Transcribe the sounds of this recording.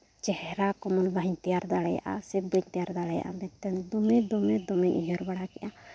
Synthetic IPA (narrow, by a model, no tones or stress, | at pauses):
t͡ʃɛhɾakɔmɔlbaɦɲt̪ijaɾd̪aɽɛja̰ʔa̰sɛb̚baɲt̪ijaɾd̪aɽɛja̰ʔa̰mɛt̪ɛnd̪ɔmɛd̪ɔmɛd̪ɔmɛɲʔiɦɔɾbaɽakɛʔa